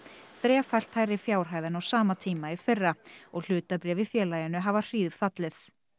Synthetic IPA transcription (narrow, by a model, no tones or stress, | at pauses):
θɾɛːfajl̥t̪hajɾɪfjaːwr̥ɦaːjðanawsaːmat̪ʰiːmaifɪrːaɔɣl̥ʏːt̪apɾɛːvɪfjɛːlajanʏɦavar̥iːðfat̪lɪθ